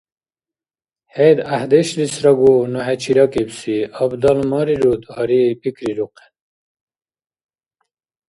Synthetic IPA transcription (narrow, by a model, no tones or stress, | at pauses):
hejd̪ahd̪eɕlisɾɐɡunoɦet͡ɕʰiɾɐkibsiabd̪ɐlmɑɾiɾud̪hɑɾipikɾiɾuqe̥n